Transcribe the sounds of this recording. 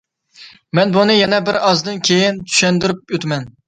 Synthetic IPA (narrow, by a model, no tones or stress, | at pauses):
mɛnbunɨjɛnɛbɪɾɑzd̪ɨnkʲʰejint̪ʰy̥ʃɛnd̪ɪɾyp̚jøt̪mɛn